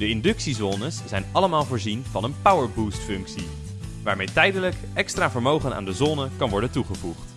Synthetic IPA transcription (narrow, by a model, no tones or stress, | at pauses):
dəɪndɵksizɔnəsz̥ɛjnɑləmaːlˠvoːɹzinvɑnənpawəɹbuːstfɵŋksi | ʋaːɹmejtɛjdələkʔɛkstraːvəɹmowχəna̰ːndəzɔnəkɑnʋɔɹdəntuχəvuχt